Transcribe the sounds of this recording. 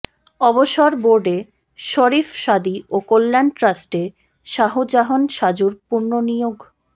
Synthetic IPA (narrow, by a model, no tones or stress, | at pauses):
ɔboʃɔɾboɾɖe | ʃoɾifʃad̪iokolːanʈɾasʈe | ʃaɦod͡ʑaɦonʃad͡ʑuɾpuɾnonijoɡ